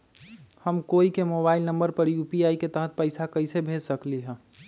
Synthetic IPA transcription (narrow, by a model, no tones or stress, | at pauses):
həmkoːikemoːbaːɪlnə̃mbəɾpɐɾjuːpiaːiket̪əɦət̪̚pəɪsakɐɪsebʱeːd͡ʒsəkliɦɛ̃ː